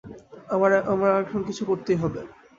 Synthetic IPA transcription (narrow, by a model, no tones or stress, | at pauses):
amaɾamɾaɛkʰonkit͡ɕʰukoɾt̪ejɦɔbe